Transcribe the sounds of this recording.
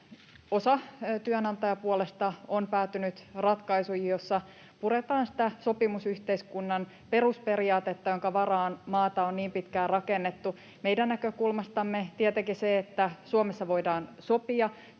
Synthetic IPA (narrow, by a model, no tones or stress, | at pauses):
o̞sɑt̪yønɑnt̪ɑjɑpuolest̪ɑonpæːt̪ːynyt̪rɑt̪kɑisujijosːɑ | puɾet̪ɑːnsi̥t̪æso̞pimusyht̪eiskunːɑn | pe̞ruspe̞riɑːt̪et̪ːɑjoŋkɑʋɑrɑːnmɑːt̪ɑonniːmpit̪kæːrɑkenːet̪ːu | meidænnækøkulmɑst̪ɑmːet̪iɛt̪ekiseet̪ːæsuomesːɑʋo̞idɑːnso̞piɑ